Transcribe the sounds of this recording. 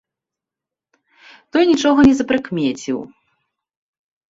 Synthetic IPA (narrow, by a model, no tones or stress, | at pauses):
t̪ɔjnʲit͡ʂɔɣɐnʲɛzɐpɾɨkmʲet͡sʲḭw